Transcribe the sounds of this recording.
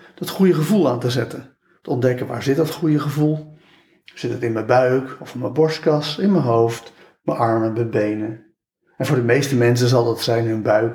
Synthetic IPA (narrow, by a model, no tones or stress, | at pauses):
d̥ɑtχujəχəvulˠaːntəzɛtən | təɔndɛkənʋaːɹzɪt̚dɑtχujəχəvulˠ | z̥ɪtətɪnməbœɥkɔfɔməbɔɹstkɑsɪnmənɦowft | məʔɑɹmənməbejnə | ɛnvʊːɹdəmejstəmɛns̬ənzɑlˠdɑtsɛjnɦɵnbœɥk